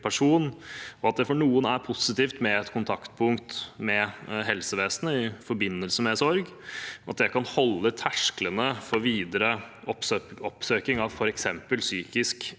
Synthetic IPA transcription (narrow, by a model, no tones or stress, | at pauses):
pʰæʂuːnɔɑt̪̚d̪ɛfɔɳuːənæɾpʰʊsɪt̪iːft̪mɛɛt̪kʰʊnt̪ʰɑkt̪pʰʊŋkt̪mɛɦɛlsəʋeːsənəɪfɔɾbɪnːəlsəmɛsɔɾɡ | ɑ̰t̪̚d̪ɛkɑnhɔlːət̪ʰæʂklənəfɔɾʋiːd̪əɾə | ɔɔpsøːkɪŋɑʋfɔɾɛksɛmpəlsyːkɪsk